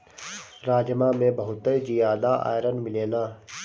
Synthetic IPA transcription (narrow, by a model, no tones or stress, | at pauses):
ɾaːd͡ʒmãmẽbɐɦʊt̪ːəd͡ʒijaːd̪aʔa̰ːjɾənmɪleːnaː